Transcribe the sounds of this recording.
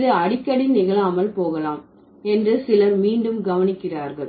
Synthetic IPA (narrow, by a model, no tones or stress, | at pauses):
ðɯɐɽɪkːɐɽɪnɪɣɐɭaːmɐɭpoːɣɐlaːm | ɛndrɯsɪlɐɾmiːɳɖɯmɡɐʋɐnɪkːɪraːɾɣɐɭ